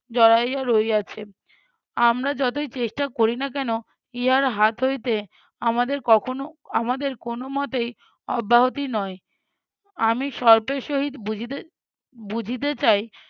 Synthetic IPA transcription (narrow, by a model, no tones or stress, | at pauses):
d͡ʑɔɾajaɾoeat͡ɕʰe | amɾad͡ʑɔt̪ojt͡ɕeʃʈakoɾinak̬ɛno | iɦaɾɦat̪ʰɦojt̪e | amad̪eɾkɔkʰonoamad̪eɾkonomɔt̪ej | ɔbʱːaɦot̪inɔe | amiʃɔɾpeʃoɦid̪bud͡ʑʱit̪e | bud͡ʑʱit̪̬et͡ɕaj